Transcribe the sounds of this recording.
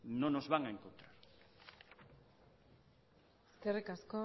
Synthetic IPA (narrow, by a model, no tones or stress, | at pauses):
nõnozβaŋaeŋkont̪ɾaɾ | eskerikasko